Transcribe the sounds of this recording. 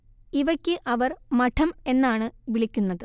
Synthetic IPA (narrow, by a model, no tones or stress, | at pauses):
iʋɐkʲːɨʔɐʋɐrmɐʈʰɐme̞nːaːɳɨʋiɭikʲːunːɐðɨ